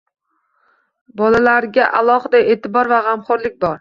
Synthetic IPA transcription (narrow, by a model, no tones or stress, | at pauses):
bɒlalaɾɡʲaʔa̰lˠɒhɪd̪ae̞ːt̪ʰɪbɒɾvaʁɑmqɒɾlɪk̚ʲbɒɾ